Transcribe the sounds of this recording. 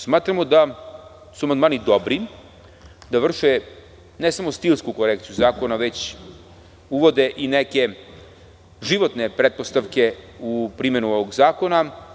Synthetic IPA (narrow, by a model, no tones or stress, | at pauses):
smaːt̪ɾamod̪a | suamand̪maːnid̪o̞bɾi | d̪aʋr̩ʃe | nesamo̞st̪ilˠskuko̞ɾekt̪sijuzaːko̞naʋe̞t͡ɕ | uʋo̞d̪eʔineke̞ | ʒiʋo̞t̪nepɾet̪̚po̞st̪aʋke̞upɾimenuoʋoɡzaːko̞na